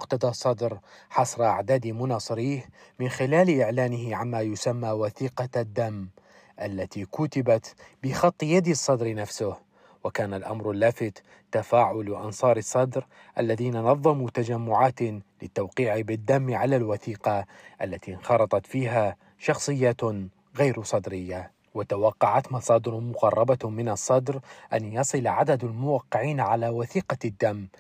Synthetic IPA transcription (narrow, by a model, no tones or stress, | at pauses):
mʊqt̪ɑd̪ˤɑsˤːɑd̪ɾħɑsˤɾˤɑʔaʕd̪aːd̪imʊnɑːsˤɨɾiːhmɪnxɪlaːlʔɪʕlaːnɪhɪʕanmajʊsamːawaθiːqɑd̪ːamː | ʔalːat̪ikʊt̪ɪbat̪bɪxɑt̪ˤːjad̪isˤːɑd̪ɾnafsʊh | wɪkaːnalʔa̰mɾɪlːaːfɪt̪ | t̪ːafaːʕʊlʔɑ̰nsˤɑːɾˤɨsˤːɑd̪ɾ | ʔalːaðiːnanɑðˤːɑmut̪ad͡ʒamːʊʕaːt̪lɪt̪ːawqiːʕibɪd̪ːamːʕalalwaθiːqɑʔalːat̪inxɑɾˤɑt̪ˤɑt̪fiːɦa | ʃɑxsˤɨjːaːt̪ | ɣajɾsˤɑd̪ɾɪjːa | wɪt̪awɑqːɑʕat̪mɑsˤɑːd̪ɪɾmʊqɑrˤːɑbamɪnɑsˤːɑd̪ɾʔanjɑsˤɨlʕad̪ad̪almʊwaqːɪʕiːnʕalawaθiːqɑd̪ːamː